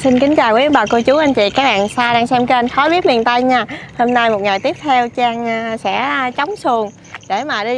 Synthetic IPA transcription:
si˧nkï˨˦ŋ̟t͡ɕaː˨˩wkə˨˦ə˦ɓaː˨˩ko˧t͡ɕu˨˦ʔa˧jŋ̟t͡ɕḭ˧˨kaː˦˥k̚ɓa̰ː˧˨nsaː˧ɗaː˧ŋsɛ˧mke˧nxɔ˨˦jɓi˦˥ət̚mḭ˨˩ənt̪a˧jɲaː˧ho˧mna˧jmo˨˩t̚ŋa˨˩jt̪i˦˥əp̚t̪ʰɛ˧wt͡ɕaː˧ŋː˧˩sɛ̰˧˥˧t͡ɕa˨˦wŋ͡msɨ˨˩əŋ | ɗe˧˩maː˨˩ɗi˧

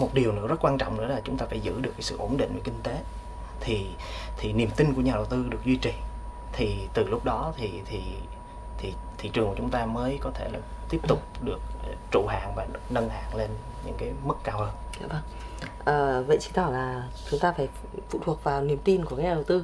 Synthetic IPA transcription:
mo˨˩t̚ɗi˨˩əwnɨ̰˧˥əzə˦˥t̚kwaː˧nt͡ɕɔ̰˧˨wŋ͡mnɨ̰˧˥əlaː˨˩t͡ɕʊ˨˦ŋ͡mt̪aː˧faː˧˩jzɨ̰˧˥ɗɨ˨˩əkːaː˨˦sɨ̰˧˨ʔo˧˩nɗḭ˧˨ŋvəː˧˩ki˧ŋ̟t̪e˨˦ | t̪ʰi˨˩ | t̪ʰi˨˩ni˨˩əmt̪ï˧ŋku˧˩əɲaː˨˩ɗə˨˩wt̪ɨ˧ɗɨ˨˩ək̚zwi˧t͡ɕi˨˩ | t̪ʰi˨˩t̪ɨ˨˩lʊ˦˥k͡p̚ɗɔ˨˦t̪ʰi˨˩t̪ʰi˨˩ | t̪ʰi˨˩t̪ʰḭ˧˨˩t͡ɕɨ˨˩əŋkːt͡ɕʊ˨˦ŋ͡mt̪aː˧məː˨˦jkɔ˨˦t̪ʰe˧˩laː˨˩t̪i˦˥əp̚t̪ʊ˨˩k͡p̚ɗɨ˨˩ək̚t͡ɕṵ˧˩ɦa̰ː˧˨ŋvaː˨˩nə˧nha̰ː˧˨ŋle˧n | ɲɨ̰˧˥ŋkaː˨˦jmɨ˦˥kːaː˧whəː˧nzaː˨˦və˧ŋ | ʔəː˨˩və̰˧˨jt͡ɕi̥˧t̪ɔ˧˩wlaː˨˩ | t͡ɕʊ˨˦ŋ͡mt̪aː˧faː˧˩j | fṵ˧˨t̪ʰu˨˩ət̚vaː˨˩wni˨˩əmt̪i˧nku˧˩ka˨˦ɲaː˨˩ɗə˨˩wt̪ɨ˧

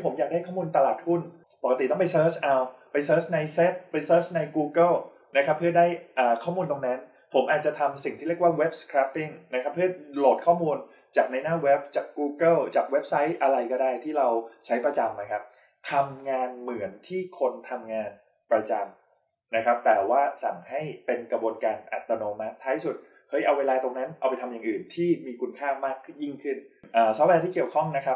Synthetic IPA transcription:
iː˥pʰo˩˦mja˨˩k̚daː˥˩jkʰɔ˥˩muː˧nt̪a˧laː˨˩t̪̚hu˥˩n | po˨˩ka˧t̪i˨˩t̪ɔ˥˩pa˧jsɤː˦˥t͡ɕʰʔa˧wpa˧jsɤː˦˥t͡ɕna˧jse˦˥t̪̚pa˧jsɤː˦˥t͡ɕna˧jkuː˧kɤ˥˩l | na˦˥kʰa˦˥pʰːɯ˥˩ɐdaː˥˩jʔaː˨˩kʰɔː˥˩muː˧nt̪o˧ŋnɛ˦˥n | pʰo˩˦mʔaː˨˩t͡ɕa˨˩t̪ʰa˧msi˨˩ŋʰiː˥˩ɾi˥˩ək̚waː˥˩we˦˥p̚skʰɾa˦˥pːi˥˩ŋna˦˥kʰa˦˥pʰːɯ˥˩ɐlo˨˩t̪̚kʰɔː˥˩muː˧n | t͡ɕaː˨˩k̚na˧jnaː˥˩we˦˥p̚t͡ɕaː˨˩kːuː˧kɤ˥˩lt͡ɕaː˨˩k̚we˦˥p̚sa˦˥jʔa˧ɾa˧jkɔː˥˩daː˥˩jt̪ʰiː˥˩ɾa˧wt͡ɕʰa˦˥jpɾa˧t͡ɕa˧mːa˧jkʰa˦˥p̚ | t̪ʰa˧mŋaː˧nmɯ˩˦ənt̪ʰiː˥˩kʰo˧nt̪ʰa˧mŋaː˧n | pɾa˧t͡ɕa˧m | na˦˥kʰɾa˦˥p̚t̪ɛː˨˩waː˥˩sa̰˨˩ŋha˥˩jpe˧nkɾa˧bu˧ənkaː˧nʔa̰˨˩t̪ːa˧noː˧ma˦˥t̪ʰːaː˦˥jsu˨˩t̪̚ | kʰɤː˦˥jʔa˧weː˧laː˧t̪o˧ŋna˦˥nʔa˧wpa˧jt̪ʰmjaː˨˩ŋʔɯː˨˩nt̪ʰiː˥˩miː˧kʰu˧nkʰaː˥˩maː˥˩kʰji˥˩ŋkʰɯ˥˩nʔaː˨˩sɔ˦˥wɛ˧t̪ʰiː˥˩ki˨˩əwkʰɔ˥˩ŋna˦˥kʰa˦˥

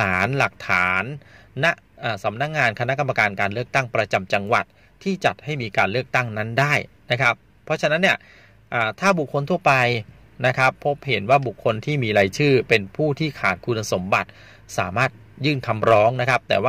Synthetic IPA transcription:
aː˩˦nla˨˩k̚t̪ʰaː˩˦nːa˦˥ʔʔaː˨˩sa˩˦mna˦˥k̚ŋaː˧nkʰa˧na˦˥ka˧ma˧kaː˧nkaː˧nlɯ˥˩ək̚t̪a˥˩ŋpɾa˧t͡ɕa˧mt͡ɕa˧ŋwa˨˩t̪̚ʰiː˥˩t͡ɕa˨˩t̪̚ha˥˩jmiː˧kaː˧nlɯ˥˩ək̚t̪a˥˩ŋna˦˥ndaː˥˩j | na˦˥kʰa˦˥pʰːɔ˦˥t͡ɕʰa˧na˦˥nːi˥˩ə | ʔaː˨˩t̪ʰaː˥˩bu˨˩kʰːo˧nt̪ʰu˥˩ɐpa˧j | na˦˥kʰa˦˥pʰːo˦˥p̚he˩˦nwaː˥˩bu˨˩kʰːo˧nt̪ʰiː˥˩miː˧ɾaː˧jt͡ɕʰɯː˥˩pe˧npʰuː˥˩t̪ʰiː˥˩kʰaː˨˩t̪̚kʰu˧nːa˧so˩˦mba̰˨˩t̪̚ | sa̰ː˩˦maː˥˩t̪̚ | jɯː˥˩nkʰa˧mɾɔː˦˥ŋna˦˥kʰa˦˥p̚t̪ɛː˨˩waː˥

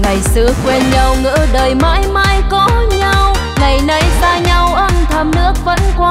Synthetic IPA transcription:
ŋa˨˩jsɨ̰˧əkwe˧nɲa˧wŋɨ̰˧˥ɗəː˨˩jma̰ː˧˥jma̰ː˧˥jkɔ˧˥ɲa˧w | ŋa˨˩jna˨˧jsaː˧ɲa˧wʔə˧mt̪ʰə˧˩mnɨ̰˧˥ək̚və̰˧˥nkwaː˧

